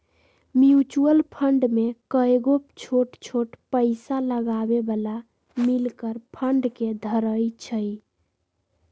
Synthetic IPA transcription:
mjut͡ʃuəlpʰəɳɖmekəjɡot͡ʃʰoʈt͡ʃʰoʈpəɪsaləɡabebəla | milkəɾpʰəɳɖked̪ʱəɾəjt͡ʃʰəj

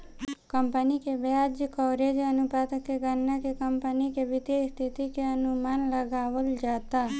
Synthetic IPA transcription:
kəmpənikebjad͡ʒkɔːɾed͡ʒənupat̪əkːeɡənːakekəmpənikeʋɪt̪est̪ʰit̪ikeənumaːnləɡaːʋəld͡ʒaːt̪a

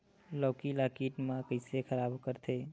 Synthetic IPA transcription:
lɔːkilaːkiːʈmãkəɪsekʰəɾaːbkəɾt̪ʰe

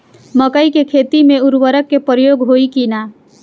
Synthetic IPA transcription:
məkəikekʰeːt̪imẽʊɾwəɾəkːepɾjoːɡɦoikina

